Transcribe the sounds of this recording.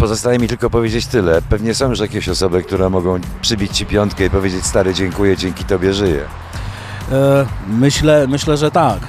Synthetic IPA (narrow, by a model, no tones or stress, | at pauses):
pɔzɔst̪ajɛmʲit̪ɘlkɔpɔvʲjed͡ʑet͡ɕt̪ɘlɛpɛvɲɛsɔ̃w̃juʂjakʲɛɕɔsɔbɘk̚t̪uɾɛmɔɡɔ̃w̃pʂɘbʲit͡ɕt͡ɕipʲjɔnt̪̚kɛipɔvʲjed͡ʑet͡ɕʲst̪aɾɘd͡ʑɛŋkujɛd͡ʑɛŋkʲit̪ɔbʲjɛʐɘjɛ̰ | mɘɕlɛmɘɕlɛʐɛt̪ak